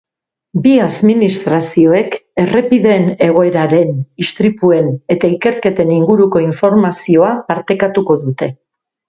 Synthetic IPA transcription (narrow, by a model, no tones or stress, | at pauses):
biaðminist̪ɾasio̞e̞ke̞re̞piðe̞ne̞ɣ̞o̞e̞ɾaɾe̞nist̪ɾipue̞ne̞t̪aike̞ɾke̞t̪e̞niŋɡuɾuko̞iɱfo̞ɾmasio̞apaɾt̪e̞kat̪uko̞ðut̪e̞